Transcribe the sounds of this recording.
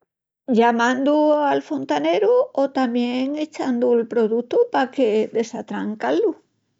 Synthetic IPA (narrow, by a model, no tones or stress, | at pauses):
ʎamãnd̪ualfo̞nt̪aneɾuot̪amjeŋet͡ʃand̪uelpɾoðut̪upakeðe̞sat̪ɾaŋkalu